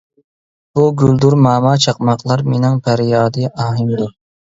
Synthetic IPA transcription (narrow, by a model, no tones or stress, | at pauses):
b̥uɡʲyld̪uɾmɑːmɑt͡ʃʰɑq̚mɑqlˠɑɾmenɪŋpʰæɾjɑːd̪ɨɑːɦɨmd̪u